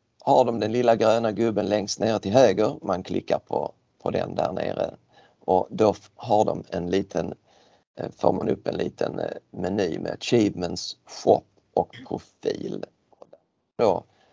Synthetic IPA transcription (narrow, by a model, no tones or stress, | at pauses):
haɖɔmd̪ɛnlɪlːaɡɾøːnaɡɵbːənlɛŋst̪neːɾət̪ʰɪlhøːɡəɾmankʰlɪkːaɾpʰɔ | pʰɔd̪ɛ̰nd̪æːɾɳḛːɾə̰ | ʔɔd̪o | ɦaɖɔmɛnliːt̪ʰən | fɔːɾmanɵpːɛnliːt̪ʰənmɛnyːmʔḛɕiːvmənsɧɔpː | ɔkpʰɾʊfiːl | d̪ | d̪o